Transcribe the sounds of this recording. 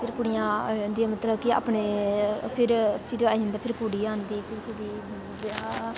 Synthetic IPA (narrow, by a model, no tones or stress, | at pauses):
pʰɪɾkʊɽɪjãːd̪iaːmət̪ləbkɪa̰ːpɳeːpʰɪɾpʰɪɾaːind̪aːpʰɪɾkuɽiːaːnd̪iːpʰɪɾkʰʊɽiː | ba